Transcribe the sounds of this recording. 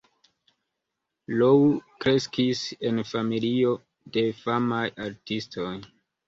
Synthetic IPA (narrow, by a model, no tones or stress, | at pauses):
lokɾe̞skise̞nfamilio̞ | de̞famajaɾtisto̞j